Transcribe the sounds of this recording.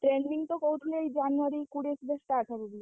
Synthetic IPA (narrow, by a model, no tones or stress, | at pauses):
ʈɾenːiŋt̪ɔkoɦut̪ʰileejd͡ʒanuaɾikuɽesb̪esʈaʈʰaɾubi